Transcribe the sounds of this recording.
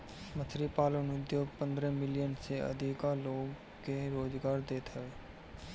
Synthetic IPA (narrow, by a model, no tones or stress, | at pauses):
mət̪ʰɾipaːlənʊd̪joːɡpə̃nd̪ɾəmɪlɪjənseə̰d̪ʱikaloːɡ | keɾoːd͡ʒɡaːɾd̪eːt̪ɦɛʋeː